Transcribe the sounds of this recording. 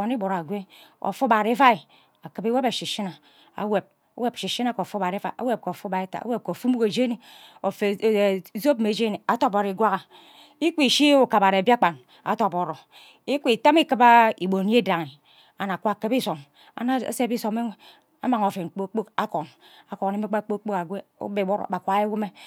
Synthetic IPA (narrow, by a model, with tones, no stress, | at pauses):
o˨ni˦bo˨ɾa˨ɡʷe˦o̰˨fu˦ba˨ɾe˦fa˦i˨ | a˨kɨ˨bi˦we˦ba˨ʃi˨ʃi˦na˨ | a̰˨we˨p̚ | a˨˦we˦pʃi˨ʃi˦na˦ko˨o˨fu˦ba˨ɾi˦fa˨ʔa̰˦we˦p̚ko˨o˨fu˦ba˨e˦ta̰˨a̰˦we˦p̚ko˨fu˦mu˦ke˨d͡ʒe˦ni˨o˨fe˨˦zo˦pme˨d͡ʒe˦ni˨a˨to˦po˨ɾi˨˦ɡwa˦ɣa˨ | i˦ki˨ʃi˦o˨ka˨ba˨ɾba˦k͡pa˨n | a̰˨to˨po˨ɾo˨ | i˦kʷi˨ta˦mi˦kɨ˦ba˦i˨bo˨n˦e˦da˨ŋi˨ | a˨na˨kʷa˨kɨ˦bi˦so˨m | a̰˨na̰˦se˦bi˦so˨me˦e˦ | a̰˦ma˨ŋo˨fe˨k͡po˦k͡po˦ka˦ko˨na˨ko˨ne˨˦me˦k͡pa˦k͡po˦k͡po˦ka˨ɡʷe˦o̰˦be˨wo˦ɾo̰˨ba˨kʷa˨˦e˦wu˦me˦